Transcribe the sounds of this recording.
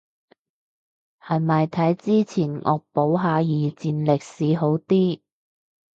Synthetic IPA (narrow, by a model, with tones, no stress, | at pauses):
hɐ˨jmɐ˨jt̪ʰɐ˨˥jt͡siː˥t͡sʰiː˨˩nŋʔɔ̰ː˨k̚po˨˥wɦaː˨˧jiː˨t͡siː˨˧nlɪ˨k̚siː˨˧ɦo˨˥wt̪iː˥